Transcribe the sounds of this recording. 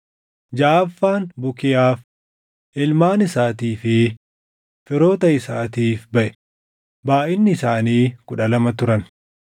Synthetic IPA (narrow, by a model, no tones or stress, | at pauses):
d͡ʒaːfːaːnbʊkɪjaːf | ʔɪlmaːnɪsaːt̪iːfɪ | fɪɾo̞ːt̪ɐɪsaːt̪iːfbɐʔɛ̥ | baːʔɪnːɪːsaːniːkʊᶑɐlɐmɐt̪ʊɾɐn